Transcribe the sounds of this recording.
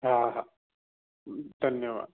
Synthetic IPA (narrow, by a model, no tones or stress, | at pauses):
ɦaɦa | d̪ʱɐnjəʋa̰ːd̪